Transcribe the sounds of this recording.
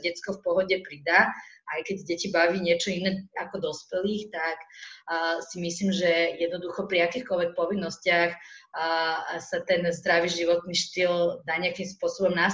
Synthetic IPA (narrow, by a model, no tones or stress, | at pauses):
ɟɛt͡skɔfpɔɦɔɟɛpɾid̪aʔajkɛɟɟɛcibaʋiːɲɪɛt͡ʃɔinɛakɔd̪ɔspɛliːxt̪akː | simisliːmʒɛjɛd̪nɔd̪uxɔpɾiakiːxkɔlʋɛk̚pɔʋinːɔscɪax | sat̪ɛnzd̪ɾaʋiʒiʋɔt̪niʃt̪ild̪aːɲɪakimspʊɔsɔbɔmna